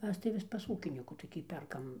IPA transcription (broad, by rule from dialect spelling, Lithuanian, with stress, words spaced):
ˈmʲɛs tɐɪ ˈʋʲɪs pɐs ˈuːkʲɪnʲiːkuː toːˈkʲiː ˈpʲɛrkɐm